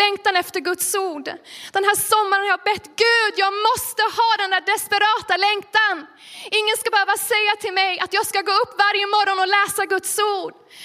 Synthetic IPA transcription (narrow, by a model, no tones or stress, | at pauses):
ɛŋt̪anɛft̪əɾɡɵt̪suːɖd̪̥ɛnɦæːsɔmːaɾənhajɑbɛt̪ːɡʉ̟ːd̪jɑːɡmɔst̪əhɑːd̪ɛnd̪æːɖɛspɛɾɑːt̪alɛŋt̪an | ɪŋːənskabɛhøːvasɛjːat̪ʰɪlmɛjʔat̪jɑːɡskaɡoːɵpːvaɾjəmɔɾɔnɔlɛːsaɡɵt̪suːɖ